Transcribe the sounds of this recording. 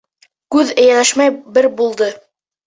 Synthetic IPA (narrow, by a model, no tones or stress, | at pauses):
kʉðɘ̆jælæʃmæjbɘɾbulˠd̪ɤ